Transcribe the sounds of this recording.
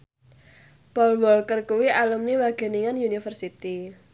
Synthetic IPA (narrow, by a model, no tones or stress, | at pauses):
pɔlwɔlkərkuwiʔalumniwaɡ̥ɛ̤niŋanjunifərsit̪i